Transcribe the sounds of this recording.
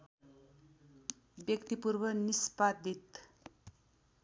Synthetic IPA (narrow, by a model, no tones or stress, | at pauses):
bjʌkt̪ipurbʌnispad̪ʱit̪